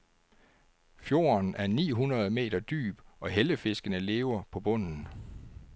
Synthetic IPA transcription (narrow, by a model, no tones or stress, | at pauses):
fjo̝̰ːnæɐnḭːɦunʁɐð̞ˠme̝̰ːdɐd̥y̰ːb̥ʔɒ̽ɦeləfe̝sɡ̥ənəle̝̰ːʊɐpʰɒ̽b̥ɔ̽n̰n̩